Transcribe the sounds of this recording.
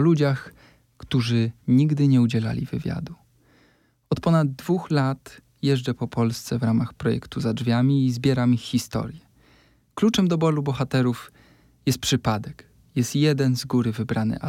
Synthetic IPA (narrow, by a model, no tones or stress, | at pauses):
lud͡ʑax | kt̪uʐɘɲiɡd̪ɘɲɛud͡ʑɛla̰lʲivɘ̰vʲja̰d̪u | ɔt̪pɔnad̪ːvuxlat̪ | jɛʐd͡ʐɛpɔpɔlst̪sɛvɾamaxpɾɔjɛ̰kt̪uzadʐvʲjamʲiːzbʲjɛɾamixːist̪ɔ̰ɾjɛ | klut͡ʂɛmd̪ɔbɔlubɔxat̪ɛɾuf | jɛst̪̚pʂɘpad̪ɛk | jɛst̪jɛd̪ɛnzɡuɾɘvɘbɾanɘ̰a